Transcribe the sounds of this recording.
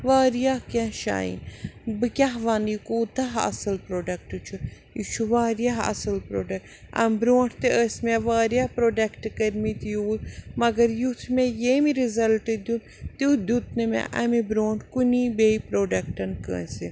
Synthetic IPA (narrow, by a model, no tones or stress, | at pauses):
ʋaːɾijahkɐ̃ʃa̰ːḭnbɨkʲaɦʋanijikuːt̪ɐɦɐ̰sɐlpɾoːɖɐk̚ʈɨt͡ʃʰu | jut͡ʃʰuʋaːɾjaɦɐ̰sɐlpɾoːɖɐkʈ | ɐ̰mbɾoːʈʰt̪eʔəsmeʋaːɾjahpɾoːɖɐkʈkɐɾmit̪ijuːlmɐɡɐɾjut̪ʰmejemiɾizɐlʈəd̪un | t̪ud̪ʲut̪ʰnɨmḛ̃ʔɐmibɾoːɳʈkuniːbeipɾoːɖɐk̚ʈɐnkə̰ːnsi